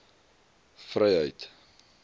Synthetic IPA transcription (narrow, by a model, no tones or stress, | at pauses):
frɛjɦəjt